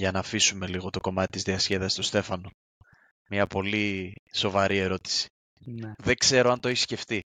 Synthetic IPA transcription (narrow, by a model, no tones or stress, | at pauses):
ʝɐnɐːfisume̞liɣo̞t̪o̞ko̞mɐt̪i̥t̪izðiɐsçe̞ðɐsist̪ost̪e̞fɐno̞ | mɲɐpo̞liso̞vɐɾie̞ɾo̞t̪i̥si̥ | nðe̞kse̞ɾo̞ɐnt̪oeçisce̞ft̪i